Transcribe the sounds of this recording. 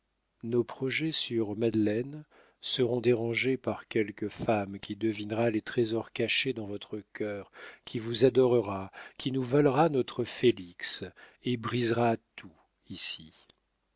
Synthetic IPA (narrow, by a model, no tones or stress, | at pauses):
nopχɔʒɛsyʁmad̪lɛn | səʁɔ̃d̪eʁɑ̃ʒepaʁkʲɛlkəfamkʲid̪əvinʁalet̪χezɔʁkaʃed̪ɑ̃vɔt̪χəkʲœːʁkʲʰivuzad̪ɔʁəʁakʲʰinuvalʁanɔt̪χəfeliks | ebʁizʁat̪ʰu | isi